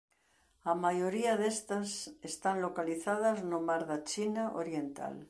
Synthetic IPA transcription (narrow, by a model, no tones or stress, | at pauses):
amajoɾiaðest̪asest̪anlokaliθaðaznomaɾðat͡ʃinaʔo̰ɾje̞nt̪a̰l